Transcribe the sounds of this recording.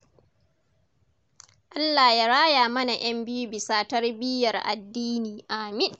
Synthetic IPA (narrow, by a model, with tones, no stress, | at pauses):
ʔa˦lːa˨jaː˦ɽaː˦jaː˨mɐ˦na˨j̰ɐ˦mbɪ˦ju˦bɪ˨saː˦tɐ˦rbɪ˦jɐ˨rʔa̰˨dːiː˦niː˨ʔa˨mɪ˦n